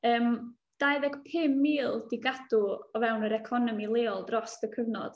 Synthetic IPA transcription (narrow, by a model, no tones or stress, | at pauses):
əːm | d̥ajðɛɡpʰɪmːiːlˠd̥ɪɡad̥uɔvɛwnəɾɛkʰɔnɔmilˠeːɔlˠdrɔstəkʰəvnɔ̰d̥